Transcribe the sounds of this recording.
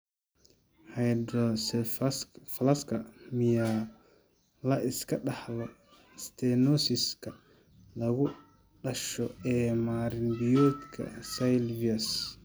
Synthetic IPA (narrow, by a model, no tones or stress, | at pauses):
hajd̪ɾɔs | flaskamija | laʔɪskɐɗahlɔ | st̪ɛnɔsiska | lɐɡu | ɗɐʃɔɛːmaɾinbijɔt̪kʰɐ̰sajlvias